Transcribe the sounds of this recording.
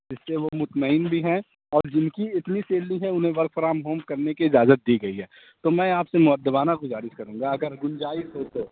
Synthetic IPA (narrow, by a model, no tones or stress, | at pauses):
d͡ʒɪsːeʋomʊt̪məɪːnbʱiɦɛ̃ | ɔːɾd͡ʒɪnkiɪt̪niseːlːiɦɛʊnɦẽʋɐɾkfɾaːmɦoːmkɐɾnekiɪd͡ʒaːzət̪̚d̪iɡɐiɦɛː | t̪omɛ̃aːpsemʊɦəd̪ːəbaːnaɡʊzaːɾɪʃkɐɾũːŋɡaɐɡəɾɡʊnd͡ʒaːisoːt̪o